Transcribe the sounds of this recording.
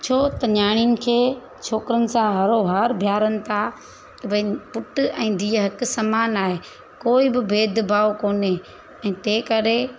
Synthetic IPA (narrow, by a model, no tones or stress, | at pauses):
t͡ɕʰoːt̪ɐɲaːɽ̃ijənɪ̆kʰeː | t͡ʃʰoːkɪɾənɪ̆sãɦɐɾoɦaːɾbʱjaːɾənɪ̆t̪ʰa | t̪ɐbʱɐipʊʈʊ̆ɛ̃ːd̪ʱiːɦɐk̆sɐmaːnaːɦeː | koːɪbɪbʱeːd̪ʱbʱaːokoːne | ɛ̃ːt̪eːkɐɾe